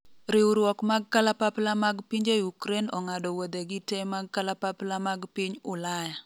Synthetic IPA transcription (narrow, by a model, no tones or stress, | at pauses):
ɾɪwɾwɔkmaɡ̚kalapaplamaɡpiɲd͡ʒeukɾenɔŋadɔwod̪eɡɪtemaɡ̚kalapaplamaɡpiɲʊlaja